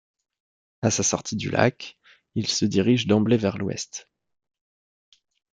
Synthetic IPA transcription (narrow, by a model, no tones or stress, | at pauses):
asasɔʁt̪ʰid̪y̰lʔa̰k | ilsəd̪iʁiʒd̪ɑ̃blevɛʁlwɛ̰st̪